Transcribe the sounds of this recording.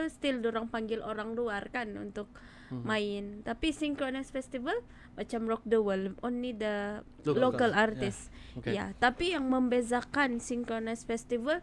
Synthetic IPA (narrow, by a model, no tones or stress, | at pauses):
st̪ilduɾaŋpaŋɡɪlʔoɾaŋluarkanṵnt̪ʊk̚ | maɪnt̪apisiŋkɾonasfɛst̪ivəl | mat͡ʃamrɔk̚duwəlonlid̪ə | lokalart̪ɪsja̰t̪apijaŋməmbezakansiŋkɾonasfɛst̪ivəl